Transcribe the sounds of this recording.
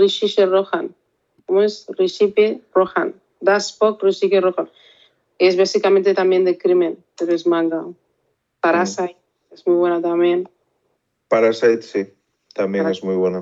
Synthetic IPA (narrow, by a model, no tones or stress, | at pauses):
riʃiʃeroxan | komoesriʃiperoxa̰n | d̪aspokriʃikeroxan | ezβasikamẽnt̪et̪amjend̪ekɾimenpeɾoezmãŋɡa | paɾasajt̪ | ezmujβwenat̪amjen | paɾasajt̪si | t̪amjenezmujβwena